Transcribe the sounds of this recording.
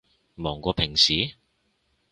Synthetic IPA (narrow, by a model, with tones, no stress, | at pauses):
mɔː˨˩ŋkɔː˧pʰɪ˨˩ŋsiː˨˦